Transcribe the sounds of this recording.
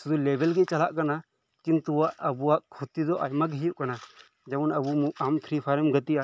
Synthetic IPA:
sud̪ulɛbɛlɡɛt͡ʃalaʔkana | kint̪uwaʔɐbuwaʔkʰut̪id̪ɔʔajmɐɡɦijuʔkana | d͡ʒɛunɐbumuʔamt̪ʰɾipʰaɾɛmɡɐt̪ia

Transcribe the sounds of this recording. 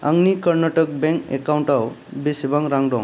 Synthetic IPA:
aŋnikəɾnaʈək̚bẽŋkḛkawɳʈawbesebaŋɾaŋɖɔŋ

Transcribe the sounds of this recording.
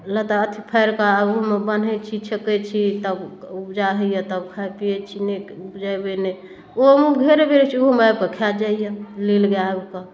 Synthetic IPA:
lət̪aət̪ʰipʰəjɾkaumebən̤ɛt͡ʃʰit͡ʃʰəkɛt͡ʃʰit̪əbupd͡ʒaɦəijət̪əbkʰapiet͡ʃʰineupd͡ʒajbene | omuɡʱeɾebeɾet͡ʃʰioɦmab̚kəkʰad͡ʒaijəlilɡaebka

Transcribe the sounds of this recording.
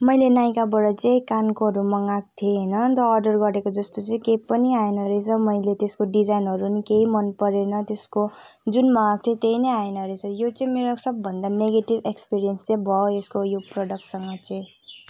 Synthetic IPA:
mʌjlenajkabʌɽʌt͡seĩkankoɦʌɾumʌŋak̚t̪ʰjenʌt̪ʌːrɖʌrɡʌɾekod͡zʌst̪ot͡sʌĩkejpːʌniaenʌɾet͡sʰʌmʌjlet̪eskoɖid͡zajnɦʌɾunikeɦimʌnpʌɾenʌt̪esko | d͡zunmʌŋak̚t̪ʰjet̪ejnʌjaenʌɾet͡sʰʌjot͡sʌĩmeɾosʌbːʱʌnd̪aneɡeʈibekspiɾijʌnst͡sãbʱʌoeskojoproɽʌk̚ʈsʌŋɡʌt͡sʌ̃

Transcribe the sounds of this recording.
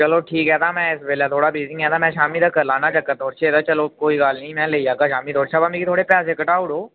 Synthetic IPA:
t͡ʃɐloʈʰiːkɦɛːt̪ʰamɛ̃ɪsʋeːlat̪ʰoːɽabeːzɪ̃ŋɦɛ̃t̪ʰamɛ̃ʃaːmit̪ʰakɐɾlaːnat͡ʃɐkːət̪oːɾt͡ʃʰet̪at͡ʃɐlokoːiɡaːlnɐĩmɛ̃leijaːkaʃaːmit̪oːɾt͡ʃʰabamekit̪ʰoːɽepjaːsekɐʈaːʊɽoː

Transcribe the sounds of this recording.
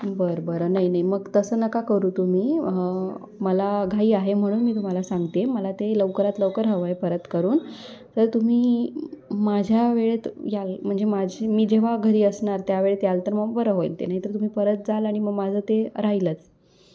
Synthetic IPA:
bəɾbəɾənaɦinaɦiməɡt̪əsəːnəkakəɾuːt̪um̤iː | məlaɡʱaiːaɦem̤əɽ̃uːnmiːt̪um̤alasãŋɡt̪eməlat̪eləʋkəɾat̪ləʋkəɾɦəʋəepəɾət̪kəɾuːn | t̪əɾt̪um̤iː | mad͡ʑʱjaʋeɭet̪jalm̤əɳd͡zemad͡ʑʱemiːd͡ʑeʋ̤aɡʱəɾiːəsɳaɾt̪jaʋeɭet̪jalt̪əɾməfəɾəɦojlt̪ḛnaɦit̪əɾt̪um̤iːpəɾət̪̚d͡zalaɽ̃iməɡmad͡zʱəːt̪eɾaɦilət͡s

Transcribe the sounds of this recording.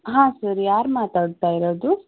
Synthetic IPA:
ɦãːsɐɾjaːɾmaːt̪aːɖt̪aːjiɾoːd̪u

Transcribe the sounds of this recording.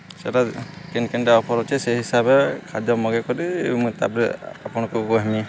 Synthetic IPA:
saɾakɛnkɛndɛɔpʰɔɾɔt͡ʃʰɛsɛɦisabɛkʰadɔmɔɡɛkɔɾimut̪a̰bɾɛapɔnɔkuɡɔɦɛm

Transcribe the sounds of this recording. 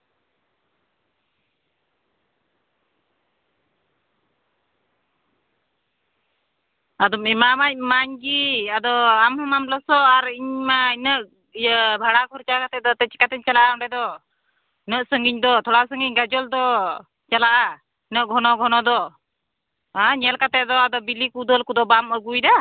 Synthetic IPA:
ad̪ɔmimamac̚maɲɡiad̪ɔamhɔmamlɔsɔaɾiɲmainəʔ | bʱaɽakʰɔɾt͡ʃakat̪ɛd̪ɔt̪ɛt͡ʃi̥kat̪ɛɲt͡ʃalaʔaɔɳɖɛd̪ɔ | inəʔsəŋɡiɲd̪ɔt̪ʰɔɽaʔsəŋɡiɲɡad͡ʒɔld̪ɔ | t͡ʃalaʔa | inəʔɡʱɔnɔɡʱɔnɔd̪ɔ | aɲɛlkat̪ɛʔd̪ɔad̪ɔbilikud̪əlkud̪ɔbaməɡujd̪a

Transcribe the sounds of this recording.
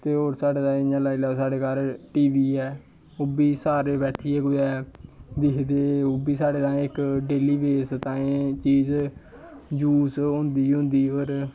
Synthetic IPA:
t̪eːɦoːɾsaːɖeːd̪aːɪãːlaːilɛːosaːɖeːkaɾʈiːʋiːɛː | oːbiːsaːɾeːbɛːʈʰiːeːkʊdɛːd̪ɪkʰd̪eːoːbiːsaːɖeːt̪ãːɪkɖeːliːbeːst̪ãːẽːt͡ʃiːz | d͡ʒuːsɦʊ̃nd̪iːɦʊ̃nd̪iːɦoːɾ

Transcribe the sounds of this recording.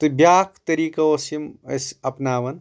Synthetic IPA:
t̪ɨbjaːkʰt̪ɐɾiːkɐosimɐ̰sɐpnaːʋɐn

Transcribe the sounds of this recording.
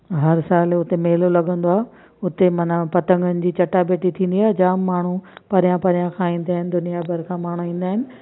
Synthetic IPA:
ɦɐɾsaːlʊt̪emeːlolɐɠə̃n̆d̪oaːɦ | ʊt̪emɐnapɐt̪ə̃ŋɡənɪ̆d͡ʑiːt͡ɕɐʈabeːʈit̪ʰĩːnd̪iaːɦed͡ʑaːmːaːɳ̤upɐɾijãpɐɾijãkʰãːĩːn̆d̪aːɦɪnɪ̆d̪ʊnijabʱɐɾkʰãːmaːɳ̤uĩːnd̪aːɦɪnɪ̆

